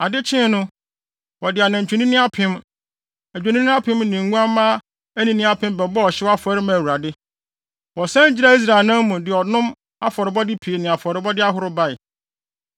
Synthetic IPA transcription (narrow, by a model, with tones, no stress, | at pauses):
a˨dɪ˦t͡ɕʰɪ̃˦nʊ̃˦ | wɔ˨dɪ˨a˨nã˨ɲ̩˨t͡ɕᶣʰu˨nĩ˦nɪ̃˦a˦pʰɪ̃˦m | æ˨d͡ʑᶣa˨nĩ˦nɪ̃˦a˦pʰɪ̃˦mnɪ̃˨ŋ̩˨˦ɡũ˦ã˦mã˦ | æ˦nĩ˨nɪ̃˦a˦pʰɪ̃˦m˦bɛ˨bɔ˦ɔ˨ɕɪ˦a˦fɔ˨˦ɾɪ˦mã˨wu˨ɾa˨dɪ˦ | wɔ˨sã˦n˦d͡ʑɪ˦ɾa˦˨i˦s̬ɾa˨ɪ˨nã˦mmũ˨dɪ˨ɔ˨nʊ̃˦m | a˦fɔ˨ɾɪ˨bɔ˦dɪ˦pʰi˨e˨nɪ̃˨a˨fɔ˨ɾɪ˨bɔ˦dɪ˦a˦ɦʊ˦ɾʊ˦ba˦˨ɪ˨